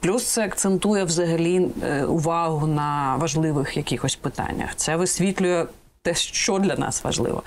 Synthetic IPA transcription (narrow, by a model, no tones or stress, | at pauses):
plʲust̪sɛɐkt̪sent̪ujɛwzɐɦɐlʲiʊʋɑɦʊnɐʋɐʒlˠɪʋɪxjɐkʲixɔsʲpɪt̪ɑ̰nʲːɐ̰xt̪sɛʋɪsʲʋʲit̪ʲlʲʊjɛ | t̪ɛʃt͡ʃɔd̪lʲɐnɑ̰sʋɐ̰ʒlˠɪ̰ʋɔ̰